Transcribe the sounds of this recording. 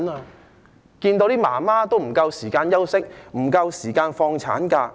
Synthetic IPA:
naː˧ | kiː˧nt̪o˧wt̪iː˥maː˨˩maː˥t̪o˥wm̩˨˩kɐ˧wsiː˨˩kaː˧njɐ˥wsɪ˥k̚m̩˨˩kɐ˧wsiː˨˩kaː˧nfɔː˧ŋt͡sʰa̰ː˨˥nkaː˧

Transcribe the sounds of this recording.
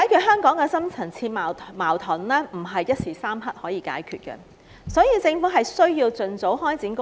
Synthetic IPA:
aː˨˥jkʰyː˧t̚hœː˥ŋkɔː˨˥ŋkɛː˧sɐ˥mt͡sʰɐ˨˩nt͡sʰiː˧t̚maː˨maː˨˩wt̪ʰɐ˨˩nlɛː˥m̩˨˩ɦɐ˨jːɐ˥t̚siː˨˩saː˥mɦɐ˥t̚hɔː˨˥jiː˨˧ka̰ː˨˥jkʰyː˨˧t̚kɛ̰˧ | sɔː˨˥jiː˧t͡sɪ˧ŋfuː˨˥ɦɐ˨jsɵ˥ɥjiː˧wt͡sɵ˨nt͡so˨˥wɦɔː˥jt͡siː˨˥nkʊ˥

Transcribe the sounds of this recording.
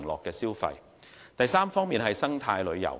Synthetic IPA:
ŋlɔ̰ː˨kːɛː˧siː˥wfɐ̰˧j | t̪ɐ˨jsaː˥mfɔː˥ŋmiː˨nɦɐ˨jsɐ˥ŋt̪ʰaː˧jlɵ˨˧ɥjɐ̰˨˩w

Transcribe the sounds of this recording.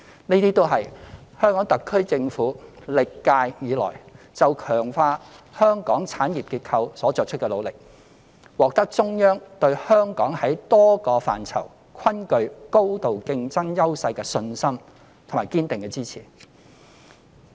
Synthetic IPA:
neː˥t̪iː˥t̪o˥wɦɐ˨jhœː˥ŋkɔː˨˥ŋt̪ɐ˨kʰːɵ˥ɥt͡sɪ˧ŋfuː˨˥lɪ˨kːaː˧jjiː˨˧lɔ̰ː˨˩j | t͡sɐ˨wkʰœː˨˩ŋfaː˧ | hœː˥ŋkɔ̰ː˨˥ŋt͡sʰaː˨˥njiː˨p̚kiː˧t̚kʰɐ˧wsɔː˨˥t͡sɔː˨k̚t͡ʃʰɵ˥kɛː˧lo˨˧wlɪ˨k̚ | wɔː˨k̚t̪ɐ˥k̚t͡sʊ˥ŋjœː˥ŋt̪ɵ˧ɥhœː˥ŋkɔː˨˥ŋhɐ˨˥jt̪ɔː˥kɔː˧fa̰ː˨nt͡sʰɐ̰˨˩w | kʰɐ˥nkɵ˧ɥko˥wt̪o˨wkɪ˧ŋt͡sɐ˥ŋjɐ˥wsɐ˧jkɛː˧sɵ˧nsɐ˥m | t̪ʰo˨˩maː˨˩jkiː˥nt̪ɪ˨ŋkɛː˧t͡siː˥t͡sʰiː˨˩

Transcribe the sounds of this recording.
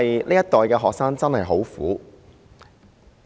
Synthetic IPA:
jliː˥jɐ˥t̪ɔː˨jkɛː˧ɦɔː˨˩k̚saː˥ŋt͡sɐ˥nhɐ˨jɦo˨˥wfṵː˨˥

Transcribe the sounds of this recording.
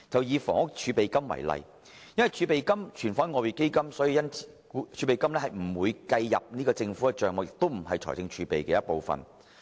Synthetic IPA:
t͡sɐ˨wjiː˨˧fɔː˨˩ŋʊ˥k̚t͡ʃʰyː˨˧pe˨jkɐ˥mwɐ̰˨˩jlɐ̰˨j | jɐ˥nwɐ˨jt͡ʃʰyː˧pe˨jkɐ˥mt͡ʃʰyː˨˩nfɔː˨˥nŋɔː˨˧wiː˨˩ke˥jkɐ˥msɔː˨˥jiː˧jɐ˥nt͡si̥˨˧˥ | t͡ʃʰyː˨˧pe˨jkɐ˥mlɛ˥hɐ˨jm̩˨˩wuː˨˧jkɐ˧jːɐ̰˨p̚niː˥kɔː˧t͡sɪ˧ŋfu˨˥ɐ˧t͡ʃœː˨ŋɔː˧k̚ɪ˨k̚t̪o˥wm̩˨˩ɦɐ˨jt͡ʃʰɔ̰ː˨˩jt͡sɪ˧ŋt͡ʃʰyː˨˧pe˨jkɛː˧jɐ˥t̚po˨wfɐ̰˨˩n

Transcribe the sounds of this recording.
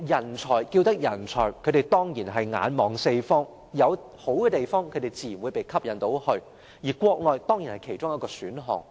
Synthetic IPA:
jɐ˨˩nt͡ʃʰɔː˨˩jkiː˧wt̪ɐ˥k̚jɐ˨˩nt͡ʃʰɔː˨˩kʰɵ˨˧t̪e˨˩jt̪ɔː˥ŋjiː˨˩nɦɐ˨jŋa̰ː˨˧nmɔː˨ŋse˧jfɔː˥ŋ | jɐ˨˧w | ho˨˥wkɛ˧t̪e˨jfɔː˥ŋkʰɵ˨˧t̪e˨˩jt͡siː˨˩jwuː˨˧jpe˨˩jkʰɐ˥p̚jɐ˨nt̪o˨˥whɵ˧ɥ | jiː˨˩kʷɔː˧k̚lɔː˨jt̪ɔː˥ŋji˨˩nhɐ˨jkʰe˨˩jt͡ʃʊ˥ŋjɐ˥t̚kɔː˧syː˨˥nɦɔ̰ː˨˩ŋ

